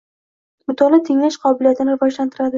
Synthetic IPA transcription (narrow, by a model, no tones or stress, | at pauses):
mʊt̪ʰɒlˠat̪ʰeŋlaʃqʰɒbɪlijat̪ʰɪnɪɾɪvɒʒlant̪ʰɪɾad̪ɪ